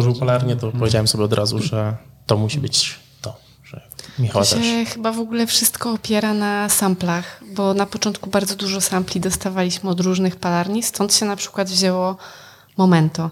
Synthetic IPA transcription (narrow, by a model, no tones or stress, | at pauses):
ɔʐɨwpalaɾɲɛt̪ɔpɔvʲed͡ʑawɛmsɔbʲɛɔd̪ɾʔazuʐɛt̪ɔmuɕibɘt͡ɕ | t̪ɔ | ʐ̥ɛ̰ | mʲixawat̪ɛxɘbavɔɡulɛfʂɘst̪kɔːpʲjɛɾanasamplaxbɔnapɔt͡ʂɔnt̪kubaɾd̪zɔd̪uʐɔsamplʲid̪ɔst̪avalʲiɕmɘɔd̪ɾuʐnɘxpalaɾɲist̪ɔnt̪ɕɛnapʂɘ̥kwad̪vʑɛwɔ | mɔmɛnt̪ɔ